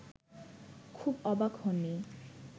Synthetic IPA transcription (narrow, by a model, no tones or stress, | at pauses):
kʰubɔbakhonːi